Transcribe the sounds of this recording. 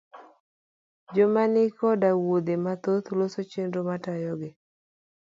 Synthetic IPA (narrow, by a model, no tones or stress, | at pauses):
d͡ʒomanɪkɔdawod̪emat̪ot̪losot͡ʃenɾomatajɔɡɪ